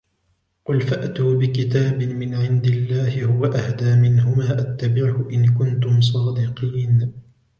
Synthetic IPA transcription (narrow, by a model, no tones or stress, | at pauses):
qʊlfaʔt̪uːbɪkɪt̪aːbɪmɪnʕɪnd̪ɪlːaːhɪhʊwaʔahd̪aːmɪnhʊmaːʔat̪ːabɪʕhʊʔɪnkʊnt̪ʊms̬ˤɑːd̪ɪqiːn